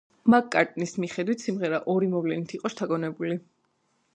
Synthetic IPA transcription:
makkʼːaɾt̪ʼnismiχɛd̪wit̪ʰsimʁɛɾaʔɔɾimɔvlɛnit̪ʰiqʼɔʃt̪ʰaɡɔnɛbuli

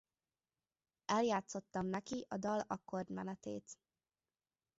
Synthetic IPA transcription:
ɛljaːt̪so̞t̪ːɒmnɛkiʔɒd̪ɒlɒkːo̞rd̪mɛnɛt̪ḛːt̪

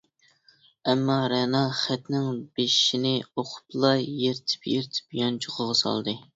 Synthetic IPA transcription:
ɛmːɑɾɛnɑχæt̪nɪŋbeʃi̥ʃinɪoqʰʊ̥plˠɑjjeɾt̪ʰɪ̥pjeɾt̪ʰɪ̥pjɑnt͡ʃʰoʁʰʊʁɑsɑ̰lˠd̪ɨ

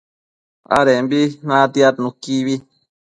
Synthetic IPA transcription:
a̰ɾembinãt̪iat̪nũkːiβi

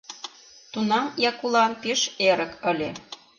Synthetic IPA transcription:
t̪unɑmjɑkulˠɑnpeʃeɾə̆kə̆lʲe

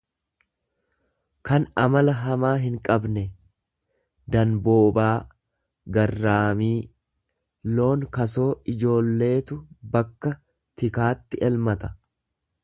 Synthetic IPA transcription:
kɐnɐmɐlɐɦɐmaːɦɪŋkʼɐbnɛ | d̪ɐnbo̞ːbaː | ɡɐrːaːmiː | lo̞ːŋkɐso̞ːɪd͡ʒo̞ːlːe̞ːt̪ʊbɐkːɐ | t̪ɪkaːt̪ːɪʔɛlmɐt̪ɐ̥

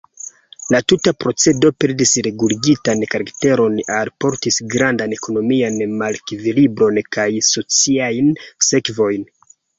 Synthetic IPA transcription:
latutapɾo̞t͡se̞do̞pe̞ɾdisɾe̞ɡuliɡitankaɾakte̞ɾo̞nalpo̞ɾtisɡɾandane̞ko̞no̞mianmalkvilibɾo̞nkajso̞t͡siajnse̞kvo̞jn

